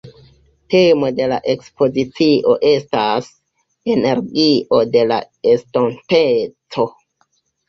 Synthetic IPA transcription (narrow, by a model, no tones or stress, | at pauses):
te̞mo̞de̞la̰ʔe̞kspo̞zit͡siʔo̞ʔe̞stas | e̞ne̞ɾɡiʔo̞de̞la̰ | estontet͡so̞